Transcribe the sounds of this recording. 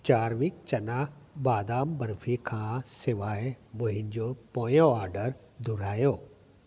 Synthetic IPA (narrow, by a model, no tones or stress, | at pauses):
t͡ʃaːɾʋik̚t͡ʃɐnabaːd̪aːmbɐɾfʰikʰãːseʋaːebʊɦiɲd͡ʒoːpoːjoaːɾɖəɾ | d̪uɾaːjoː